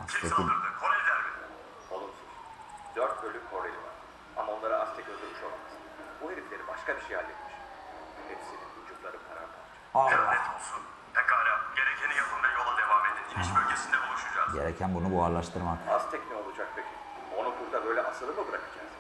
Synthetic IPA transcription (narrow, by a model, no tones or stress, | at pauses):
asʰekikʰoɾelʲid̪ʲæɾbi | o̞lˠumsunz | d̪̥øɾt̪ølʲykʰo̞ɾelʲḭva̰ɾ̥ | amao̞nlˠaɾaʔast̪ʰɛc̪ʲøzylmiʃo̞lˠamaz | buɦeɾiflʲe̞ɾibaʃkabiʃejhalʲːet̪miʃ | hepsininud͡ʒuklˠaɾɯpʰaɾaɾpʰalˠt͡ʃʰaaɛt̪ʰo̞lˠsun | t̪ʰɛkaɾamɟeɾecʰenijapʰɯmd̪ajo̞lˠad̪e̞vamed̪ininʃbølʲɟʰʲesind̪ɛbulˠuʃud͡ʒakɟeɾɛcʰænbunubuaɾlˠaʃt̪ʰɯɾmakast̪ʰɛcnio̞lˠud͡ʒak̚pʰøcʰi | o̞nubuɾd̪abø̞jlʲɛʔasɯlˠɯmɯbɯɾakʰɯd͡ʒaz̥